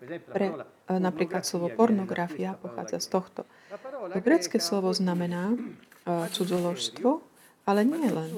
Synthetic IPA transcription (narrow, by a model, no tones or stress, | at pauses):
pɾɛ | napɾiːklat̪slɔʋɔpɔɾnɔɡɾafiapɔxa̰ːd͡zast̪ɔxt̪ɔ | ɔɡɾɛːt͡skɛslɔʋɔznamɛnaː | t͡sud͡zɔlɔʃst̪ʋɔ | alɛɲɪɛɛlɛn